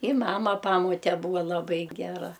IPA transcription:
ɪ ˈmɑːmɐ ˈpɑːmoːtʲɛ ˈbuːʋɐ lˠɐˈbɐɪ ɡʲɛˈrɐ

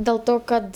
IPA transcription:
dʲeːlˠ ˈtoː kɐt

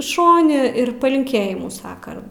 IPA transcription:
ˈʃoːnʲɪ ɪr pɐlʲɪŋʲˈkʲeːjɪmuː ˈsɑːkɐ

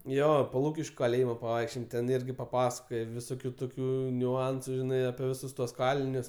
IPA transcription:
ˈjoː poː ˈlˠuːkʲɪʃʲkʲʊ kɐˈlʲeːjɪmoː pɐˈʋɐɪkʃʲt͡ʃʲoːjɛm tʲɛn ˈɪrʲɡʲɪ pɐˈpɑːsɐkoːjɛ ʋʲɪˈsoːkʲʊ ˈtoːkʲʊ nʲʊˈɐnsʊ ˈʒʲɪnɐɪ ɐpʲiɛ ˈʋʲɪsʊs tuɔs ˈkɑːlʲɪnʲʊs

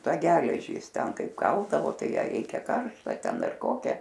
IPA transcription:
ˈtɑː ˈɡʲæːlʲɛʒʲiː ˈjɪs ˈtʲɛn ˈkɐɪp ˈkɐlˠdɐʋoː ˈtɐɪ ˈjæː ˈrʲɛɪkʲɛ ˈkɐrʃtɐ ˈtʲɛn ˈdɐr ˈkoːkʲæː

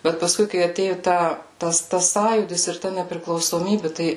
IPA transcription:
ˈbʲɛt pɐˈskʊɪ kɐɪ ɐˈtʲeːjoː ˈtɐ ˈtɐs ˈtɐs ˈsɑːjuːdʲɪs ɪr ˈtɐ nʲɛpʲrʲɪklˠɐʊsoːˈmʲiːbʲɪ ˈtɐɪ

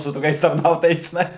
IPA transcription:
sʊ toːˈkʲɛɪs tɐrˈnɐʊtoːjɛɪs ʒʲɪˈnɐɪ

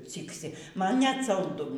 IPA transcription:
ˈt͡sʲiːksʲɪ ˈmɐn nʲɛt sɐlˠˈdʊ

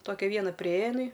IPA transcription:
ˈtoːkʲɛ ˈʋʲiɛnɐ pʲrʲɪˈeːjɛ ɪˈnɐɪ

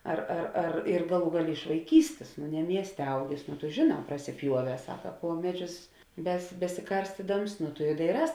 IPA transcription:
ˈɐr ɐr ɐr ɪr ˈɡɑːˌlˠuː ˈɡɑːˌlʲeː ɪʃ ʋɐɪˈkʲiːsʲtʲeːs nʊ nʲɛ ˈmʲiɛsʲtʲeː ˈɐʊɡʲeːs nʊ tʊ ʒʲeːˈnɑː prɐsʲɪˈpʲjuɔˌʋʲɛː ˈsɑːkɐ ˈpuɔ mʲɛˌd͡ʒʲʊs bʲɛs bʲɛsʲɪˈkɐrʲsʲtʲɪdɐms nʊ tʊ ɪ dɐɪˈrɑːs

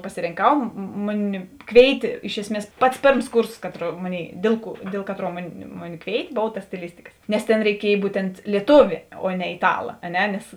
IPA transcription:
pɐsʲɪrʲɪŋˈkɐʊ ˈmʊˌnʲɪ ˈkʋʲeːɪtʲeː ˈɪʃ ɛsʲˌmʲiɛs ˈpɐts ˈpʲeːrms ˈkuːrsoːs ˈkɑːˌtruː ˈmoːˌnʲeːɪˈdʲeːlˠ ˌkuɔ ˈdʲeːlˠ kɐˌtruɔ ˈmʊˌnʲɪ ˈmʊˌnʲɪ ˈkʋʲeːɪtʲeː ˈboːʋɐ tɐ sʲtʲɪˈlʲɪsʲtʲɪkɐs nʲɛs tʲeːn rʲɛɪˈkʲiɛj ˈbuːtʲɛnt lʲiɛˈtuːʋʲeː oː nʲɛ ɪˈtɑːlˠɐ ɐ ˈnʲɛ nʲɛs

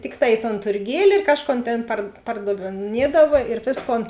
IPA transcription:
ˈtʲɪkˌtɑː ɪ toːn tʊrʲˈɡʲiɛlʲɪ ɪr ˈkɑːʃˌkoːn ˈtʲeːn pɐr pɐrdɐʋʲeːˈnʲiɛdɐʋɐ ɪr ˈʋʲeːsˌkoːn

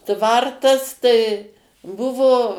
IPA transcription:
ˈtʋɐrtɐs tɐɪ ˈbʊʋoː

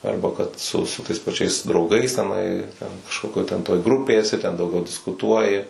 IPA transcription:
ˈɐrbɐ kɐt sʊ sʊ tɐɪs pɐˈt͡ʃʲɛɪs drɐʊˈɡɐɪs tʲɛˈnɐɪ tʲɛn kɐʃˈkoːkʲoːj tʲɛn toːj ˈɡrʊpʲeːj ɛˈsʲɪ tʲɛn dɐʊˈɡʲɛʊ dʲɪskʊˈtuɔjɪ

